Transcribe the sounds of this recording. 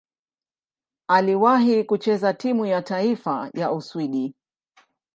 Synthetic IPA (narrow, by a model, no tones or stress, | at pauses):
aliwaɦikut͡ʃɛzatimujataifaja̰ʔuswiɗi